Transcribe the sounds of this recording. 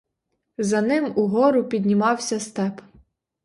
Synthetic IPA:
zɐnɪmuɦɔɾʊpʲid̪ʲnʲimɑwsʲɐst̪ɛp

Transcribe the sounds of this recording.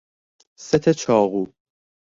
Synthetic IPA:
set̪ʰet͡ʃʰɒːɣuː

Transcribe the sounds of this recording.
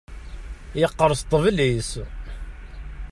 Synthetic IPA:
jəqːəɾˤəst̪ˤːəvlis

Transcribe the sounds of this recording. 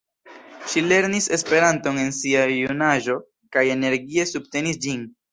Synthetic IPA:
ʃile̞ɾnise̞spe̞ɾanto̞ne̞nsiajunaʒo̞ | kaje̞ne̞ɾɡie̞subte̞nisd͡ʒin

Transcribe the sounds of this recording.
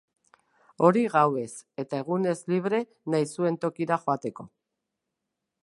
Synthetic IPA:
o̞ɾiɣawe̞se̞t̪ae̞ɣ̞une̞zliβ̞ɾe̞ | najsue̞nt̪o̞kiɾaxoat̪e̞ko̞

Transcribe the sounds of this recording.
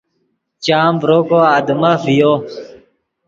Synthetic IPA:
t͡ɕaːmbɾoːkoaːd̪əməvijoː

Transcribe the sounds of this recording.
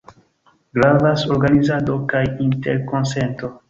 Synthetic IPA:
ɡɾavaso̞ɾɡanizado̞kajinte̞ɾko̞nse̞nto̞

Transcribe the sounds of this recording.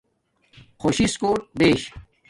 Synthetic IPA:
xoːɕiskoːʈ̚beːɕ

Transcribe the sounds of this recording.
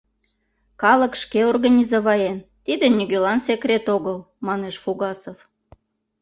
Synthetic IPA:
kɑləkʃkeorɣɑnʲizoβɑjent̪id̪enʲyɣølɑnsekrʲet̪oɣəl | mɑneʃfuɣɑsof

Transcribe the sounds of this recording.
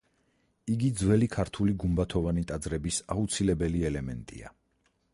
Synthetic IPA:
iɡid̪zwɛlikʰaɾt̪ʰuliɡumbat̪ʰɔvanit̪ʼad̪zɾɛbisaut̪sʰilɛbɛliɛlɛmɛnt̪ʼḭa̰

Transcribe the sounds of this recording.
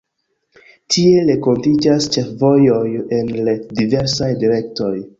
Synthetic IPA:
tʰie̞leko̞ntid͡ʒast͡ʃe̞fvo̞jo̞je̞nledive̞ɾsajdiɾe̞kto̞j

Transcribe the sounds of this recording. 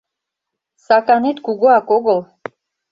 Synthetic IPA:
sakanit̪ɡuɡuakoɡəl

